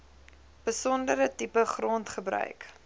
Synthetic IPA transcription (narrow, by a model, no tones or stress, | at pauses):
b̥əsɔndəɾətipəχrɔntχəbɾœ̰ɥk